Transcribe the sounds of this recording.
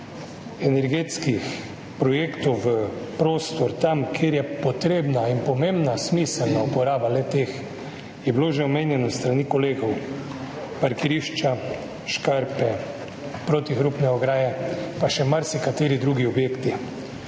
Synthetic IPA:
ɛnɛɾɡeːt̪skix | pɾɔjeːkt̪ɔwʋəpɾoːst̪ɔɾt̪amkʰeːɾjɛpɔt̪ɾeːbnainpɔmembnasmiːsəlnaupɔɾaːbalɛt̪eːx | jɛbiloːʒɛɔmeːnjɛnɔst̪ɾanikɔleːɡɔw | paɾkiɾiːʃt͡ʃa | ʃkaɾpɛ | pɾoːt̪ixɾupnɛɔɡɾaːjɛpaʃɛmaɾsikat̪eːɾid̪ɾuːɡiɔbjeːkt̪i

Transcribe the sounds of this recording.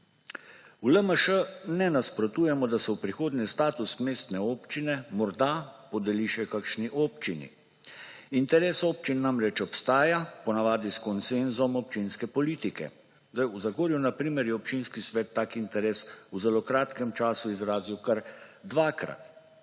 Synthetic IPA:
uləməʃənɛnaspɾɔt̪uːjɛmɔd̪asɛwpɾixoːd̪nʲɛst̪aːt̪usmeːst̪nɛoːpt͡ʃinɛmɔɾd̪apɔd̪ɛliʃɛkakʃniʔoːpt͡ʃinḭ | int̪ɛɾeːsoːp̚t͡ʃinːamɾɛt͡ʃɔpst̪aːjapɔnaʋaːd̪iskɔnsenzɔmɔp̚t͡ʃinskɛpɔliːt̪ikɛ̰ | zd̪ajuzaɡoːɾjunapɾiːmɛɾjɛɔpt͡ʃinskisʋɛːt̪ːaːkint̪ɛɾeːsuzɛlokɾaːt̪kɛmt͡ʃaːsuizɾaːziwkaɾd̪ʋaːkɾa̰t̪

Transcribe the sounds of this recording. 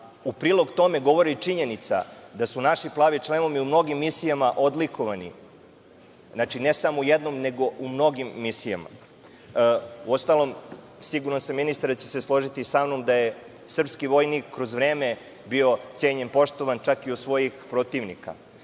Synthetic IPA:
upɾiːlˠo̞ɡt̪o̞me̞ɡo̞ʋo̞ɾit͡ʂiɲenit̪sa̰d̪asunaʃiplˠaːʋit͡ʃlˠeno̞ʋiumno̞ɡimːisijamaʔo̞d̪likʰo̞ʋanḭ | znaːt͡ʃine̞samoujed̪no̞mne̞ɡo̞ʔumno̞ɡimːisija̰ma̰ | uo̞st̪alˠo̞m | siɡuɾansamːinist̪aɾt͡ɕeseslˠo̞ʒit̪isamnomd̪aje | sr̩pskiʋo̞jnikːɾo̞zʋɾe̞ːme | bio̞t̪seːɲenpo̞ʃt̪oʋant͡ʃakiosʋo̞jixpɾo̞t̪iʋnḭka̰

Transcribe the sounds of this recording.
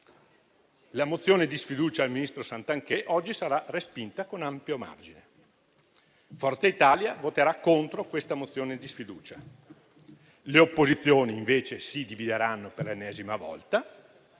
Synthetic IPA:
lamot̪sːjoːned̪isfid̪uːt͡ʃaːlminist̪ɾosant̪aŋkɛʔɔd͡ʒːisaɾarespint̪akonampjoma̰rd͡ʒine | fɔrt̪eit̪aːljavot̪eɾakːont̪ɾokwest̪amot̪sːjoːned̪isfid̪uːt͡ʃa | leopːozit̪sːjoːniːɱveːt͡ʃesid̪ivid̪eɾanːoperlenːɛːzimavɔ̰lt̪a

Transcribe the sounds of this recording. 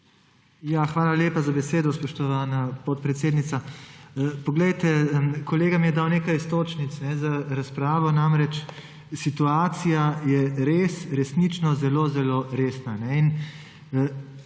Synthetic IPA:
jaxʋaːlaleːpazabɛseːd̪ɔspɔʃt̪ɔʋaːnapɔt̪̚pɾɛt̪seːd̪nit̪sa | pɔɡlɛjt̪ɛkɔleːɡamijɛd̪awneːkajst̪oːt͡ʃnit̪snɛzaɾaspɾaːʋɔnamɾɛt͡ʃ | sit̪uaːt̪sijajɛɾeːsɾɛsnit͡ʃnɔzɛloːzɛloɾeːsnanɛin

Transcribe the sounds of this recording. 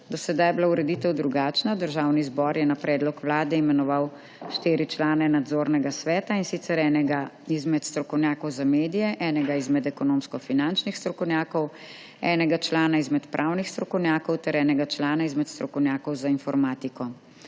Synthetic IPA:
d̪ɔsɛd̪ajblauɾɛd̪iːt̪ɛwd̪ɾuɡaːt͡ʃnad̪əɾʒaːwnizbɔɾjɛnapɾɛːd̪lɔkʋlaːd̪ɛimɛnɔʋaw | ʃt̪iːɾit͡ʃlaːnɛnad̪zoɾnɛɡasʋɛːt̪ainsit̪sɛɾɛnɛɡaizmɛt̪st̪ɾɔkɔwnjaːkɔwzameːd̪ijɛʔɛːnɛɡaizmɛd̪ɛkɔnoːmskɔfinant͡ʃnixst̪ɾɔkɔwnʲjaːkɔw | ɛːnɛɡat͡ʃlaːnaizmɛt̪pɾʔawnixst̪ɾɔkɔwnʲjaːkɔwt̪ɛɾɛːnɛɡat͡ʃlaːnaizmɛt̪st̪ɾɔkɔwnjaːkɔwzainfɔɾmaːt̪ikɔ

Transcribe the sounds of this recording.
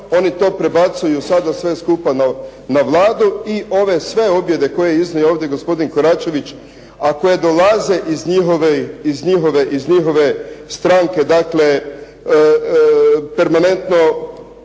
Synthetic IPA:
o̞nit̪o̞ːpɾe̞bat̪sujusad̪asʋe̞skupana | naʋlˠaːd̪uiʔo̞ʋe̞sʋe̞o̞bje̞d̪e̞ko̞jejiznajuoːʋd̪je̞ɡospo̞d̪inkoɾat͡ʃe̞ʋit͡ʃ | ako̞je̞d̪o̞laze̞ʔizɲiɦoʋeizɲiɦo̞ʋe̞ʔizɲixo̞ʋe̞st̪ɾaŋke̞d̪akle̞ | pe̞ɾmane̞nt̪no̞

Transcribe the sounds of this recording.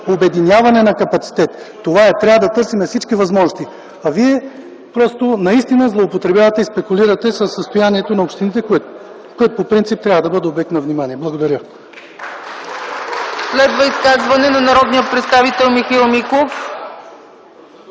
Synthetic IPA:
obɛd̪inʲjavɐnɛnɐkɐpɐt̪si̥t̪ɛt̪ːovaɛt̪ɾʲavəd̪ɐt̪ɤɾsimɛfsit͡ʃkivɐzmɔʒnost̪i | ɐviɛ | pɾɔst̪onɐist̪inəzlˠoːpot̪ɾɛbʲavɐt̪ɛispɛkuliɾɐt̪ɛsəsːəst̪ojaniɛt̪onɐopʃt̪init̪ɛ | koɛt̪opopɾint̪sip̚t̪ɾʲavɐd̪ɐbɤd̪ɛoblɛk̚t̪nɐvnimaniɛblˠɐɡod̪ɐɾʲə | slɛd̪vɐiskazvɐnɛnɐnɐɾɔd̪nijətpɾɛt̪st̪avit̪ɛlˠmixailˠmikof

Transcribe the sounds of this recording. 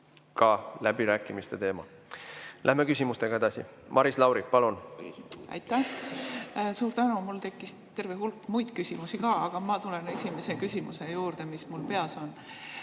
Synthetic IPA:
kɑlæb̥iɾæːkːˑimist̪e̞t̪e̞ːmɑ̰ | læhmekysʲimust̪e̞ɡ̥ɑe̞d̪ɑsḭmʔɑɾislɑwɾipɑlun | ɑ̰jt̪ːˑæh | suːɾt̪ænumult̪e̞kːist̪e̞rveɦulkːmujd̪kysʲimusikɑːɑɡ̥ɑmɑt̪ule̞ne̞sʲime̞se̞kysʲimuse̞juːrd̪̥e̞mismulpe̞ɑso̞n

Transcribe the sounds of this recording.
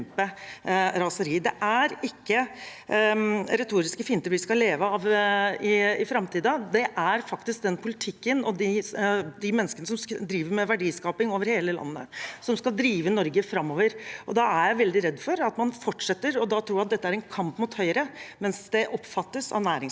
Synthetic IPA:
pəɾɑsəɾiːd̪ɛʔæɾɪkːə | ɾɛt̪ʰuːɾɪskəfɪːnt̪əɾʋɪskɑleːʋəɑʋɪɪfɾɑmt̪ʰiːd̪ɑd̪ɛʔæɾfɑkt̪ɪsk̚d̪ɛnpʰʊlɪt̪ʰɪkːənɔd̪ɪd̪ɪmɛnːəskənəsɔmd̪ɾiːʋəɾmɛʋæɖiːskɑːpɪŋoːʋəɾheːləlɑ̰nːə̰sɔmskɑld̪ɾiːʋənɔɾɡəfɾɑmːoːʋəɾʔɔd̪ɑæɾjæɪʋɛld̪ɪɾɛd̪ːfɔɾɑt̪mɑnfɔʈʂɛt̪ːəɾɔd̪ɑt̪ʰɾuːjæɑt̪d̪ɛt̪ːəæɾɛnkʰɑmpmʊːt̪hœʏɾəmɛnsd̪ɛʔɔpfɑt̪ːəsɑ̰ʋnæːɾɪŋs

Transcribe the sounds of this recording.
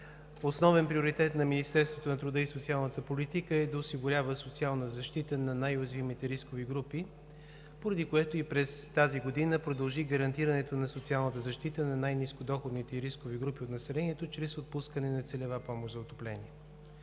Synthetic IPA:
osnɔvɛnpɾioɾit̪ɛt̪nɐminist̪ɛɾst̪vot̪onɐt̪ɾʊd̪əisot̪sialˠnət̪əpolit̪ikəɛd̪ɐosiɡʊɾʲavəsot̪sialˠnəzɐʃt̪it̪ənɐnajozvimit̪ɛɾiskoviɡɾupi | poɾɐd̪ikoɛt̪oipɾɛst̪aziɡod̪inəpɾod̪ɐlˠʒiɡəɾɐnt̪iɾənɛt̪onɐsot̪sialˠnət̪əzɐʃt̪it̪ənɐnajniskod̪ɔxod̪nit̪ɛɾiskoviɡɾupiot̪nɐsɛlɛniɛt̪ot͡ʃɾɛsot̪̚puskənɛnɐt̪sɛlʲɛvapɔmoʃzɐot̪oplɛniɛ

